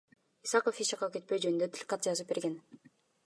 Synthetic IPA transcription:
isɑqofiʃɑqɑke̞t̪̚pejd͡ʒø̞nynd̪øt̪ʰlʲkqɑt̪̚d͡ʒɑzɯp̚be̞ɾɡe̞n

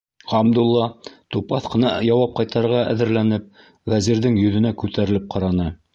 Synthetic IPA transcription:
ʁɑmd̪ulˠːɑt̪upɑθqɤ̆nɑjɑwɑp̚qɑjt̪ɑɾʁɑʔæ̰ðɘ̆ɾlænɘp̚ | wæziɾðɘŋjɵ̆ðɘ̆nækʉt̪æɾɘ̆lɘp̚qʰɑɾɑnɤ

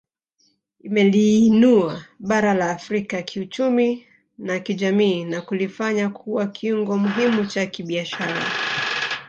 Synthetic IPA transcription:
imɛliːnuaɓaɾalaːfɾikakʰiut͡ʃumi | nakiʄamiːnakulifaɲakʰuwakʰiuŋɡɔmuɦimut͡ʃakiɓiaʃaɾa̰

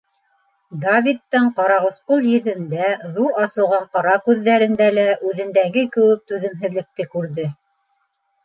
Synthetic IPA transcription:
d̪avʲit̪ːɤɴqɑɾɑʁŭsqolˠjɵ̆ðɘ̆nd̪æðuɑsɤ̆lˠʁɑɴqɑɾɑkʉðːæɾɘ̆nd̪ælæʔʉðɘ̆nd̪æɡɘkɘ̆wɘk̚t̪ʉðɘ̆mɦɘ̆ðlɘ̆k̚t̪ɘkʉɾðɘ

